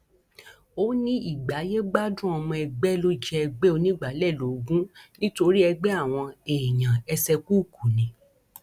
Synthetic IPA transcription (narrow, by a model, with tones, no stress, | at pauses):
o˦nĩ˦i˦˨ɡ͡ba˨˦je˦ɡ͡ba˦dũ˦ɔ˧mɔ̃˧ɛ˧ɡ͡bɛ˦lo˦d͡ʒɛ˦ɛ˧ɡ͡bɛ˦o˧nĩ˦ɡ͡ba˨˦lɛ˦˨lo˨˦ɡũ˦nĩ˦to˧ɾi˦ɛ˧ɡ͡bɛ˦a˦˨w̃ɔ̃˧e˨ɲã˨ɛ˧sɛ˧ku˦˨ku˨nĩ˨˦